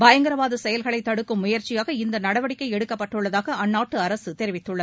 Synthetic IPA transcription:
bɐjɐŋɡɪɾɐʋaːðɯsɛjɐlɣɐɭɐɪt̪ːɐɽɯkːɯmːʊjɐɾt͡ʃɪjaːɣɐɪnd̪ɐnɐɽɐʋɐɽɪkːɐɪɛɽɯkːɐpːɐʈːɯɭːɐðaːɣɐɐnːaːʈːɯɐɾɐsɯt̪ɛɾɪʋɪt̪ːɯɭːɐð

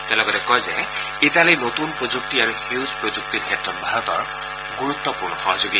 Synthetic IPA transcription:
t̪ɛlɔɡɔt̪ekɔjze | it̪alijnot̪unpɹod͡ʒuk̚t̪iaɹuhuwzpɹod͡ʒuk̚t̪iɹkʰetɹɔt̚bʱaɹɔt̪ɔɹ | ɡuɾut̪ːɔpuɹnɔxɔɦɔd͡ʒoɡi

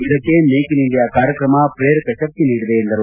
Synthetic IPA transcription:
ɪðɐkːeːneːkːɪnɪɳɖ̪ɐjaːkaːɾɐkːɾɐmaːpɪɾeːɾɯkːɐsɐk̚t̪iniːɽɯʋeɛnd̪ɐɾ

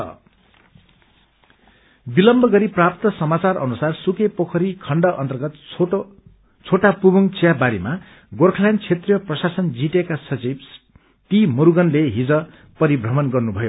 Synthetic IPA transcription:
ʌ̰ | bilʌmbʱʌɡʌɾiprap̚t̪ʌsʌmat͡sarʌ̰nusarsukepokʰʌɾikʰʌɳɖʌʔʌ̰nt̪ʌrɡʌt̪ | t͡sʰoʈapubʌŋt͡sjabaɾima | ɡorkʰʌlant͡sʰet̪rijʌprʌsasʌnd͡ziʈekasʌt͡sib | t̪imuɾuɡʌnleɦid͡zʌ | pʌɾibʱrʌmʌnɡʌrnubʱʌjo

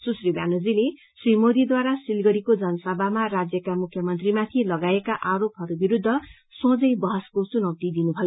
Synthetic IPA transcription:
susribanod͡zile | srimod̪id̪waɾasilɡʌɾikod͡zʌnʌsʌbʱamarad͡zjʌkamukʰjʌmʌnt̪rimat̪ʰilʌɡaekaʔaɾopɦʌɾubiɾud̪ʱːʌ | sõd͡zʌjbʌɦʌskot͡sunʌwt̪id̪inubʱʌjo

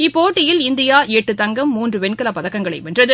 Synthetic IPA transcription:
ɪpːoːʈːɪjɪlɪnd̪ɪjaːʔeːʈːɯt̪ɐŋɡɐmːuːndrɯʋɛnkɐlɐpːɐðɐkːɐŋɡɐɭɐɪʋɛndrɐðɯ

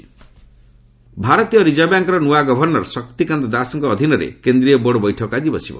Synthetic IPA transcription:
bʱaɾɔt̪ijɔɾid͡ʒɔbjaŋkɔɾɔnuaɡɔbʱɔɾnɔɾɔsɔkt̪ikand̪ɔd̪asɔŋkɔːd̪ʱinɔɾḛkend̪ɾiɔbɔɽɔbɔjʈʰɔkɔad͡ʒibɔsibɔ̰

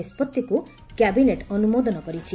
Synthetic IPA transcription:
ispɔt̪ːiku | kjabineʈɔnumod̪ɔnɔkɔɾit͡ʃʰi

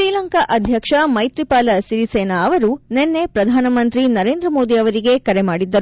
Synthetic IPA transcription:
ʃɾiːlɐŋkɐʔɐd̪ʱjɐkʂɐmɐjt̪ɾipaːlɐsiɾiseːnɐːʋɐɾunenːe̞pɾɐd̪ʱaːnɐmɐnt̪ɾinɐɾe̞ːnd̪ɾɐmo̞ːd̪iɐʋɐɾiɡe̞kɐɾemaːɽid̪ːɐɾu

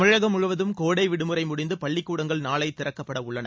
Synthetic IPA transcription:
mɪɻɐɣɐmʊɻɯʋɐðɯmkoːɽɐɪʋɪɽɯmɯrɐɪmʊɽɪnd̪ɯpɐɭːɪkːuːɽɐŋɡɐɭnaːɭɐɪt̪ɪrɐkːɐpːɐɽɐʊɭːɐnɐ

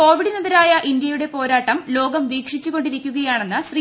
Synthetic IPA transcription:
o̞ːʋiɽnɐðɐɾaːjɐʔind̪jɐjuɽe̞po̞ːɾaːʈːɐmlo̞ːɡɐmʋiːkʂit͡ɕːuɣo̞ɳɖiɾikʲːuɣɐjaːɳenːɨɕriː

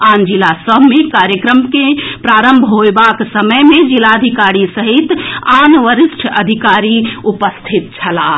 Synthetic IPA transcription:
and͡ʒilasəbʱmekaɾjəkɾəmkepɾaːɾəmbʱɦoebaksəməjmed͡ʒilad̪ʱikaɾisəɦit̪anʋəɾisʈʰə̰d̪ʱikaɾiupəst̪ʰit̪̚t͡ʃʰəla

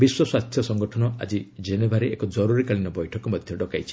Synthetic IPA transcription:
biswɔswast̪ʰjɔsɔŋɡɔʈʰɔnɔa̰d͡ʒid͡ʒenebʱaɾeekɔd͡ʒɔɾuɾikaɭinɔbɔjʈʰɔkɔmɔd̪ʱjɔɖɔkajt͡ʃʰi̥

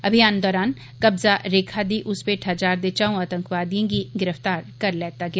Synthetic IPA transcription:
ɐbʱijaːnd̪ɔːɾaːn | kɐbzaɾeːkʰad̪iʔʊspeʈʰad͡ʒaːɾd̪et͡ʃaũaːt̪ə̃ŋkʋaːd̪ijõɡiɡɪɾəft̪aːɾkɐɾlɛːt̪aɡɐjaː

